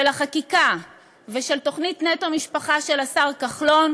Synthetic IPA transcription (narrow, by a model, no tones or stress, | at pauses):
elaχakika | veʃelto̞χnitnetomiʃpaχaʃe̞lasaʁkaχlo̞n